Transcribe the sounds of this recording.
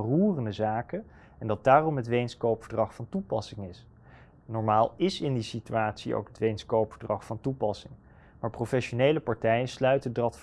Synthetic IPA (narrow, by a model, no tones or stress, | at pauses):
ruːrəndəzaːkə | ɛndɑt̚daːrɔmɦətʋejnskowpfəɹdrɑχfɑntupɑsɪŋɪs | nɔɹmaːlˠɪsɪndisityaːtsio̰wkɦətʋejnskowpfəɹdrɑχfɑntupɑsɪŋ | maːɹprofɛʃonejləpɑɹtɛjənslœɥtədɑtf